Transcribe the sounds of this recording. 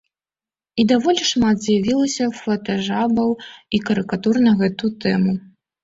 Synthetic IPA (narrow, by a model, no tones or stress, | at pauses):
id̪avɔlʲiʂmat̪zʲjavʲilˠɐsʲɐfɐt̪aʐabɐwikɐɾɨkat̪urnɐɣɛt̪ut̪ɛmu